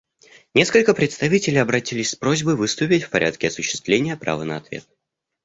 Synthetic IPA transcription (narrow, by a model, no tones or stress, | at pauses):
nʲe̞skəlʲkəpɾʲɪt̪st̪ɐvʲitʲɪlʲɪjɐbɾɐtʲilʲɪsʲspɾozʲbəjvɨst̪ʊpʲɪtʲfpɐɾʲʔa̰t̪̚kʲɪɐsʊɕːɪ̥st̪vlʲenʲɪjəpɾa̰vənəɐt̪vʲḛt̪̚